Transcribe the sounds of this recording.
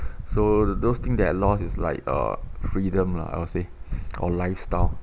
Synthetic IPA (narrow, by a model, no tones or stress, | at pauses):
sodost̪ĩŋsdɛt̚lɔsisla̰ɪk̚ə̰fɹidə̃mla̰a̰ɪwɔseʔɔ̰laɪfstaɪl